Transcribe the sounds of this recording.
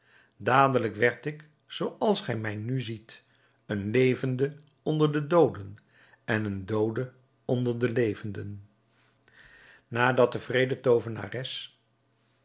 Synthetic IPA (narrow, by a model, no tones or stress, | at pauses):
daːdələkʋɛɹtɪk | sowɑlˠsχɛjmɛjnyzit | ənlejvəndə | ɔndəɹdədowdən | ɛnəndowdə | ɔndəɹdəlejvəndən | naːdɑt̚əvrejdətowvəna̰ːrɛs